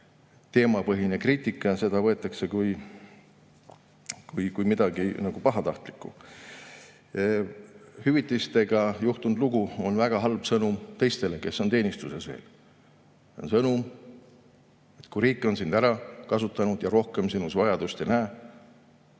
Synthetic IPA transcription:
t̪e̞ːmɑpɤɦinekriːt̪ikːˑɑse̞d̪ɑvɤ̞et̪ːˑɑkse̞kuj | kujkujmid̪̥ɑɡinɑɡ̥upɑɦɑt̪ɑht̪li̥kːˑṵ | hyvit̪ːˑist̪e̞ɡ̥ɑjuht̪und̪luɡ̥uo̞nvæɡ̥ɑɦɑlb̥sɤnumt̪ejst̪e̞le̞ke̞sːo̞nt̪e̞ːnist̪use̞svḛːl | o̰nsɤnum | e̞t̪kuɾiːkːˑo̞nsind̪æɾɑkɑsut̪ːˑɑnud̪̥jɑɾo̞hke̞msinusvɑjɑd̪̥ust̪e̞næː

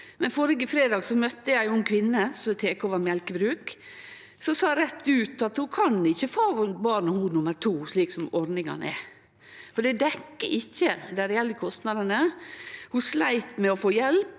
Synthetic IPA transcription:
mɛnfoɾəɡəfɾeːd̪ɑːɡsɔmœt̪ːəjæɪjʊɛnkʰʋɪnːəsɔt̪ʰeːkoːʋɑɾmjɛlkəbɾʉːk | sɔsɑːɾɛt̪ːʉːt̪ɑt̪hʊkʰɑnɪçːəfoːbɑːɾnəhuːnʊmːəɾt̪ʰuːʂɭiːksɔmɔɾnɪŋɑ̰n̰ɛ̰ | fɔɖɛd̪ɛkːəʔɪçːəd̪æɾɛjɛlːəkʰɔst̪nɑd̪ənəhʊʂlæɪt̪mɛɔfoːjɛlp

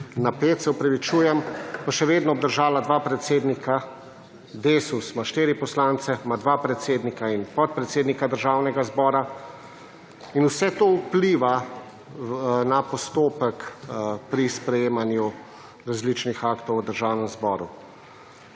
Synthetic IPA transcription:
napeːt̪sɛɔpɾaʋit͡ʃuːjɛmpaʃɛʋeːd̪nɔːb̚d̪əɾʒaːlad̪ʋaːpɾɛt̪seːd̪nikʰa | d̪esusmaʃt̪eːɾipɔslant̪sɛmad̪ʋapɾɛt̪seːd̪nikainpɔt̪̚pɾɛt̪seːd̪nikad̪əɾʒaːwnɛɡazbɔːɾa | inusɛt̪oupliːʋa | napɔst̪oːpɛkpɾispɾɛjeːmanju | ɾazlit͡ʃnixaːkt̪ɔwəd̪əɾʒaːwnɛmzbɔːɾu

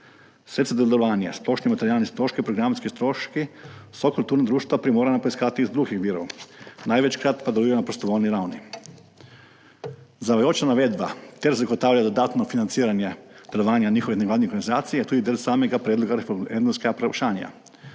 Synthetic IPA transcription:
sɾet̪sad̪jeleloʋaːɲa̰splˠo̞ʃnimat̪eɾiaːlnest̪ɾo̞ʃkipɾoɡɾamskist̪ɾoʃkisokolt̪uːɾnad̪ɾuːʃt̪ʋapɾimoːɾanapoiskaːt̪iːzd̪ɾuɡixʋiɾo̰naːjʋet͡ɕkɾat̪pad̪auienapɾost̪oʋolniɾawni | zaʋajot͡ʃnanaʋed̪ba̰t̪eɾzaɡot̪aːʋlaad̪od̪aːt̪nofinant̪siːɾaɲjed̪̥jeloʋaːɲaɲixoʋineɡlad̪nioɾɡanizaːt̪sijet̪uːd̪id̪elsaːmeɡapɾeːd̪loɡaɾefend̪omskeapɾeʃaːna̰

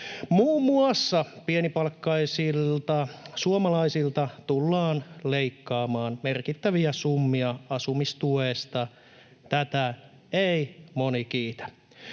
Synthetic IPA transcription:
muːmːuɑsːɑpienipɑlkːɑisilt̪ɑsuomɑlɑisilt̪ɑt̪ulːɑːnleikːɑːmɑːnmerkit̪ːæʋiæsumːiɑɑsumist̪uest̪ɑ | t̪æt̪æ | eimonik̟iːt̪æ̥

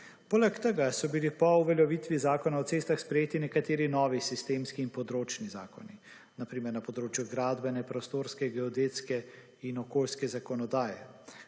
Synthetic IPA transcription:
poːlɛkt̪əɡasɔbilipɔuʋɛljɛʋit̪ʋizaːkɔnaɔt̪eːst̪axspɾɛjeːt̪inɛkat̪eːɾinɔːʋisist̪eːmskiːnpɔd̪ɾoːt͡ʃniza̰ːkɔ̰ni | napɾiːmɛɾnapɔd̪ɾoːt͡ʃjuɡɾaːd̪bɛnɛpɾɔst̪oːɾskɛɡɛɔd̪et̪skɛ | inɔkoːlskɛzakɔnɔd̪aːjɛ

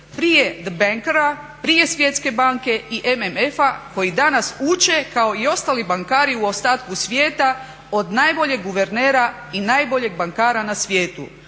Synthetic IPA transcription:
pɾije̞d̪baŋkɾa | pɾije̞sʋje̞t̪ske̞baŋke̞iʔememefako̞jid̪anasut͡ʃe̞kao̞io̞st̪alibaŋkaːɾiuost̪aːt̪kusʋje̞ːt̪a | o̞d̪najbo̞ʎe̞ɡːuʋe̞ɾne̞ːɾa | inaːjbo̞ʎe̞ɡ̚baŋkaːɾanasʋje̞ːt̪ṵ

